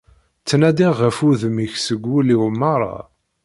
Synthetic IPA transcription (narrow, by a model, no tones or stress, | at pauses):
t͡sːnæd̪iʁəfuðəmiçsəɡːuliwmɑɾˤɑ̰